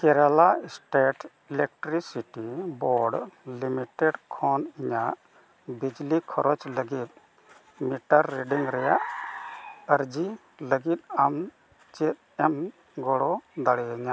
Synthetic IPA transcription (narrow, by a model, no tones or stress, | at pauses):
kɛɾalasʈeʈ | ilɛk̚ʈɾisiʈibɔɖlimiʈɛɖkʰɔniɲaʔ | bid͡ʒlikʰɔɾɔt͡ʃləɡit̪̚ | miʈaɾːɛɖiŋɾɛjaʔ | əɾd͡ʒi | ləɡit̪̚am | t͡ʃɛt̪̚ɛm | ɡɔɽɔd̪aɽɛaɲaʔ